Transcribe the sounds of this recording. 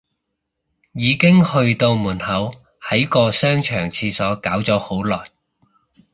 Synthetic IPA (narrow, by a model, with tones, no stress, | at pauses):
jiː˨˧kɪ˥ŋhɵ˧ɥt̪o˧wmuː˨˩nhɐ˨˥w | hɐ˨˥jkɔː˧sœː˥ŋt͡ʃʰœː˨˩ŋt͡sʰiː˧sɔː˨˥kaː˨˥wt͡sɔː˨˥ho˨˥wlɔː˨˩j